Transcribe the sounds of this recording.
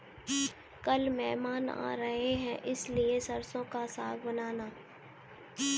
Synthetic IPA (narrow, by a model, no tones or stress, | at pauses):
kɐlmɛːmaːna̰ːɾɐɦeɦɛ̃ʔɪsliesɐɾsõkasaːɡbɐnaːnaː